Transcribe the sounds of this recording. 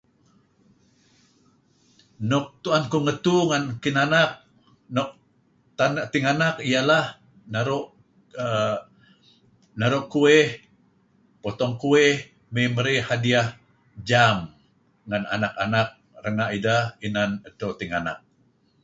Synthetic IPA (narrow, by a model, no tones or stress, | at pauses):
nɔk̚t̪uankuŋət̪uŋankinanak̚ | nɔʔ̚ | t̪anaʔt̪iŋanakijalah | naɾuʔ | naɾuʔkueh | pot̪ɔŋkueh | miməɾihadiah | d͡ʒam | ŋana̰naka̰nak̚rəŋaʔidahinanat̪awt̪iŋana̰k̚